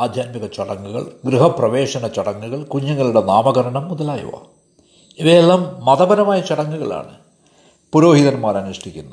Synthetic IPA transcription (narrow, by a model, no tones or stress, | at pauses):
aːd̪ʱjaːtmiɣɐt͡ɕɐɽɐŋːuɣɐ̰ɭɡɾɨɦɐprɐʋe̞ːʂɐnɐt͡ɕɐɽɐŋːuɣɐɭkuɲːɐŋːɐɭuɽe̞naːmɐɣɐɾɐɳɐmːuðɐlaːjɐ̰ʋa̰ | iʋɐjelːaːmːɐðɐbɐɾɐmaːjɐt͡ɕɐɽɐŋːuɣɐ̰ɭa̰ːɳɨ | puɾo̞ːɦiðɐnmaːɾɐniʂʈikʲːunːɐ